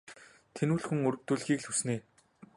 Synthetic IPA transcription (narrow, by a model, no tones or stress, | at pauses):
t̪ʰenuːɮxuŋɵɾɵ̆k̚t̪uːɮxiːkɮɵsneː